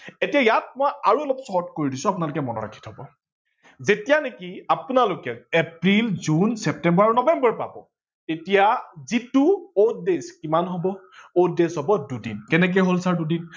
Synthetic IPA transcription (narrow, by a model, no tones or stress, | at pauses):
etijajat̚mojaɹuɔlɔpsɔɔtkoɹidisʊapʊnalʊkɛmɔnɔ̰ɹa̰kʰi̥tʰhɔbɔ̰ | zetijanekiapʊnalʊkɛepɹilzunsɛp̚tɛmbɔɹaɹunɔbɛmbɔɹpa̰bɔ | etijazituod̚deskimanɦobɔ | oddesɦɔbɔdudḭnkɛnɛk̬ejɦolsaɹdudin